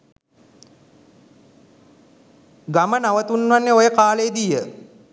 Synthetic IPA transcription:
ɡamənaʋət̪unʋanːeojəkaːləjed̪ijə

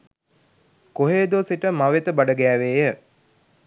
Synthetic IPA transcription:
koɦeːd̪oːsiʈəmaʋet̪əbaɖəɡæːʋeːjə

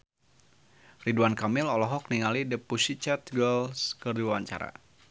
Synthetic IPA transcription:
riduankamɪlɔlɔɦɔk̚niŋalidəpusit͡ʃat̪ɡəlskərduaaɲt͡ʃa̰ɾa̰

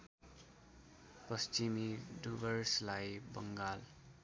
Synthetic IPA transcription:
pʌst͡ʃimiɖubʌrslajbʌ̰ŋɡal

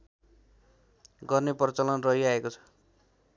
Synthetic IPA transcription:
ɡʌrnepʌrʌt͡sʌlʌnrʌɦiaekot͡sʰʌ̥

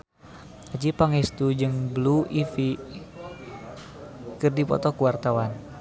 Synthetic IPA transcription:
ad͡ʒipaŋɛst̪ud͡ʒɨŋbluifi | kɨrdipɔ̰t̪ɔkuwart̪awan

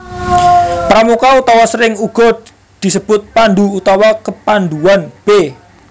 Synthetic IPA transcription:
pɾamukaut̪awasəɾɪŋuɡ̥ɔd | d̪̥i̤səb̥ʊt̪̚pand̪uːt̪awakəpand̪uanb̥e

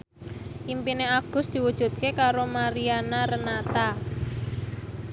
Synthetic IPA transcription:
ʔimpineaɡ̥ʊ̤sd̪̥i̤wud̥ʒ̥ṳt̪̚kekaɾomaɾianaɾənat̪a

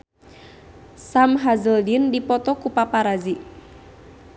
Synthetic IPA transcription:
samɦazəldindipɔt̪ɔkupapaɾazi

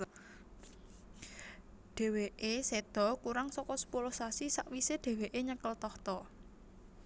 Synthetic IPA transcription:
ɖ̪̥e̤weʔesed̪̥ɔ̤kuɾaŋsɔkɔsə̥pulʊhsasisaʔwiseɖ̪̥e̤weʔeɲəkəlt̪ɔht̪ɔ

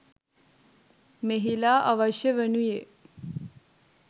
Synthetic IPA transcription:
meɦilaːʔaʋɐʃjəʋenuje

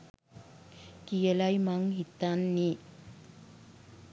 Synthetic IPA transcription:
kijəlajmaŋɦit̪ːanːi

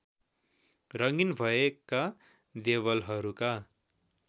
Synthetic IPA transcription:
rʌŋinbʱʌeka | d̪eβʌlɦʌɾuka

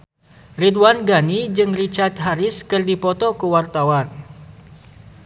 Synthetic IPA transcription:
ridwanɡanid͡ʒɨŋrit͡ʃart̪ɦaɾɪskɨrdipɔt̪ɔkəwart̪awan

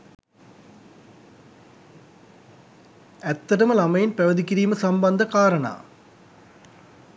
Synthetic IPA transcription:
et̪ːɐɾɐmɨlɐmɐjinpɐʋɐd̪ik̬ʲːiɾiːmɨsɐmbɐnd̪ʱɐkaːɾɐɳa̰ː

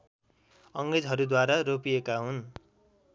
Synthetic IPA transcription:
ʌŋɡɾed͡zɦʌɾud̪waɾaropijekaɦun

